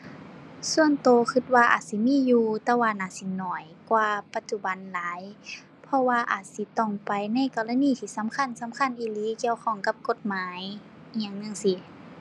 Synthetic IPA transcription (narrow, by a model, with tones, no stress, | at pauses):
su˧˨ənt̪oː˨˧kʰɯ˧t̪̚waː˧ʔa̰ː˨˩t̪̚si˧˦miː˧˥˨juː˧t̪ɛː˧waː˧˨naː˧˩si˧˦nɔː˨˩j | kwaː˧pa˧t̪̚t͡ɕu˧˩ba˨˦nlaː˨˦j | pʰɔ˧waː˧ʔa̰ː˨˩t̪̚si˧˦t̪ɔ˧˩ŋpa˨jna˧˥˨jkɔː˧˩la˧˨niː˧˨t̪ʰiː˧˩sa˨˦mkʰa˧˥˨nsa˨˦mkʰa˧˥˨nʔiː˧˩liː˧˥˨ki˧˨əwkʰɔ˧˩ŋka˧˦p̚ko˧˦t̪̚maː˨˦j | ɲaː˧˩˨ŋnɯ˧˨ŋsi˧˦